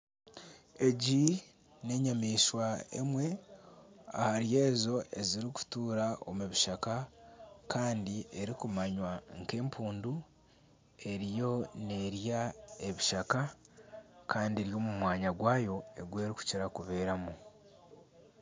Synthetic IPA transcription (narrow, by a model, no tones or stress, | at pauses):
e̞ɟi | ne̞ɲamiːʃwaḛmwe̞ | a̰haɾije̞ːzo̞ʔe̞ziɾiku̥tuːɾao̞̰muβiʃaka | kʰaːndie̞ɾikumaɲwaŋke̞ːmpʰuːndu | e̞ɾijo̞ne̞ɾjaeβiʃaka | kaːndie̞ɾjo̞ːmumwaːɲaɡwaːjo̞e̞̰ɡwe̞ːɾiku̥ciɾakuβe̞ːɾamu